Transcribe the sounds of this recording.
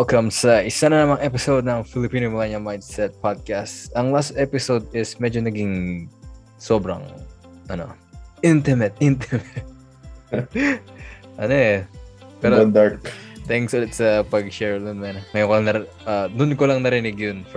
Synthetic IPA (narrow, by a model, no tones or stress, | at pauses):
wɛlkɐmsɐʔɪsanɐnɐmɐŋʔɛpɪsowd̪̚nɐŋfɪlɪpiːnomɐlaɲɐmajnd̪sɛt̪̚pad̪̚kast̪ɐŋlast̪ʔɛpɪsowd̪̚ɪsmɛd͡ʒonɐɡɪŋ | so̞bɾɐ̰ŋ | ʔɐno̞̰ | ʔɪnt̪ɪmɛt̪̚ʔɪnt̪ɪmɛt̪̚ | ʔɐnoʔɛpɛɾond̪aɹkt̪ɛŋksʔolɛt̪sɐpɐɡʃɛɹlʊnmɐnŋɐjoŋkolɐŋnɐ | ʔɐd̪ʊnkolɐŋnɐɾɪnɪɡjonf